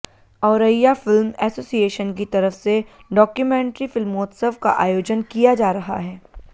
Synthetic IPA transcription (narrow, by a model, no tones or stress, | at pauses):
ɔːɾəjːafɪlmɛːsoːsieːʃənkit̪ɐɾəfse | ɖɔːkjumẽːɳʈɾifɪlmoːt̪səʋka̰ʔaːjoːd͡ʒənkijad͡ʒaːɾɐɦa̰ɦɛː